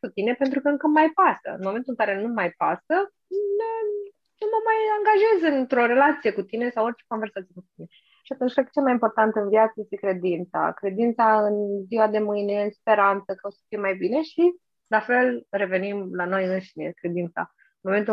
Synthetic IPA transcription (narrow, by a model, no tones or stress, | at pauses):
kut̪ine̞pent̪̬ɾukəɨŋkəmajpasə̰ɨ̰nmome̞nt̪ulɨŋkaɾe̞numajpasə | nə | numəmajaŋɡaʒe̞zɨnt̪ɾoɾe̞lat̪sije̞kut̪ine̞sawort͡ʃe̥kove̞rsat̪sijekut̪uinee | ʃiat̪unt͡ʃʲfɾakt͡ʃelmajimpo̞rt̪ant̪ɨnviat̪səjesikɾe̞d̪int̪sa̰kɾe̞d̪int̪saɨnziwad̪e̞mɨjne̞ɨnspe̞ɾant̪səkaosə̥fijemajbine̞ʃi | lafe̞lre̞ve̞nimlano̞jɨnʃinḛkɾe̞d̪int̪sa̰ | ɨnmo̞me̞nt̪̬u